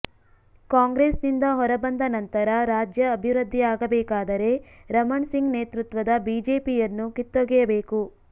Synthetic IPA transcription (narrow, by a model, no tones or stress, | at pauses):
kaːŋɡɾeːsnind̪ɐɦɔɾɐbɐnd̪ɐnɐnt̪ɐɾɐɾaːd͡ʒjɐːbʱiʋɾɐd̪ʱːiaːɡɐbɛːkaːd̪ɐɾe̞ɾɐmɐɳsiŋɡneːt̪ɾut̪ʋɐd̪ɐbiːd͡ʒe̞ːpijɐnːukit̪ːoɡɛjɐbe̞ːku